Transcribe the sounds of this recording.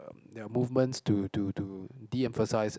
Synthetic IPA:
d̪ɛamuvmə̃ntstututudiɛ̃ɱfəsaɪs

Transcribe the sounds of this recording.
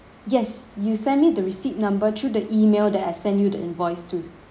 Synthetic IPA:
jɛsjusɛ̃nmidəɹisit̚nãmbətʰɹudəʔimeldɛt̚asɛ̃ndjudə̰̃nvɔɪstʰu

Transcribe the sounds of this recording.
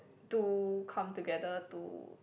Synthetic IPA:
tukʰʌ̃mtuɡɛdətṵ

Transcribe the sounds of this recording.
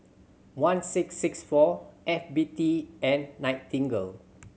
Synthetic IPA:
wãnsiksːiksfɔɛfbitiɛ̃nːãj̃ttĩŋɡəl

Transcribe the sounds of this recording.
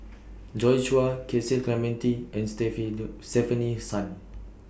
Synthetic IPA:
d͡ʒɔjʃuakʰesət̚klɛmɛ̃ntiɛ̃nstɛfstɛfənisãn

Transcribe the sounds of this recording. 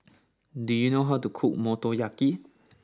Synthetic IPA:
d̪ijnɔɦat̪ukʰuʔ̚mɔt̪ɔjaki

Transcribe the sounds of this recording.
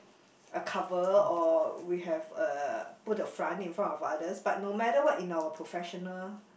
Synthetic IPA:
əkʰavəɔwiɦɛvəputəfɹãntĩnfɹãmɔfadəsbat̚nomɛtəwɔtĩnawəpʰɹofɛʃɔnəl

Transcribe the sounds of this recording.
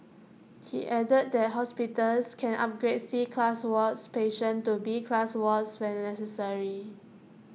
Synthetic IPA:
hḭʔɛdəd̚dɛt̚ɦɔspitəlskʰɛ̃nʔa̰p̚ɡɹedsikʰlaswɔtspeʃə̃ntubikʰlaswɔtswɛ̃nːɛsəsəɹi

